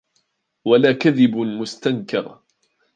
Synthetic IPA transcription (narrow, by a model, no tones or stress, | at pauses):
walaːkaðɪbmʊst̪ankɑ̰ɾˤ